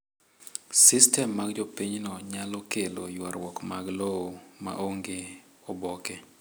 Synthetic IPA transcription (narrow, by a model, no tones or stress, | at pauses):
sistɛmːaɡd͡ʒopiɲnɔɲalɔkelo̰jwaɾwɔkmaɡlooma̰ʔoŋɡe | ɔbɔke